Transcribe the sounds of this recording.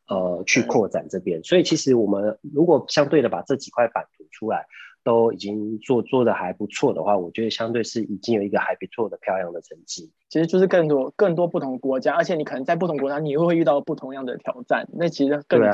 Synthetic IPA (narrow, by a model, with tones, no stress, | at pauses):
ə˨t͡ɕʰy˥˧kʰwɔ˥˩t͡sa̰˨˩nʈ͡ʂɤ˥˩pjɛ˥nswɔ˧˥i˨˩t͡ɕʰi˧˥ʂɻ̩˧˥wɔ˨˩mə˦nɻu˧˥kwɔ˨˩ɕjɑ˥ŋt̪we˥˩ɪd̪ə˩pa̰˨˩ʈ͡ʂɤ˥˩t͡ɕi˨˩kʰwa˥˩ɪpa˨˩nt̪ʰu˧˥ʈ͡ʂʰu˥la˧˦ɪt̪o˥ʊi˨˩t͡ɕi˦˥ŋt͡swɔ˥˧t͡swɔ˥˩d̪ə˩xa˧˥ɪpu˧˦t͡sʰwɔ˥˩d̪ə̰˩xwa˥˩wɔ˨˩t͡ɕɥɛ˧˥d̪ə˨˧ɕjɑ˥ŋt̪we˥˧ɪʂɻ̩˥˩i˨˩t͡ɕi˥ŋjo˨˩ʊi˧˥ɡə˧xa˧˥ɪpi˧˥t͡sʰwɔ˥˩d̪ə˩pʰjɑ˥˧ʊljɑ˥˩ŋd̪ə˩ʈ͡ʂʰə˧˥ŋt͡ɕi˥i˧˥ʂɻ̩˧t͡ɕjʊʂɻ̩˥˧kə˥˩ŋt̪wɔ˥kə˥˩ŋt̪wɔ˥pu˥˩t̪ʰʊ˧˥ŋə˧kwɔ˧˥t͡ɕja˥ə˞˧˥t͡ɕʰjɛ˨˩ni˨˩kʰɤ˨˩nə˧˥ŋt͡sa˥˧ɪpu˥˩t̪ʰʊ˧˥ŋkwɔ˧˦˥t͡ɕa˥ni˨˩˥we˥˧we˥˧ɪy˥˧t̪ɑ˥˩ʊə˩pu˥˩t̪ʰʊ˧˥ŋjɑ˥˩ŋd̪ə˩ə˩t̪ʰjɑ˨˩˦ʊʈ͡ʂa̰˥˩nna˥˩t͡ɕʰi˧˥ʂ̩˧˥kə˥e˥˩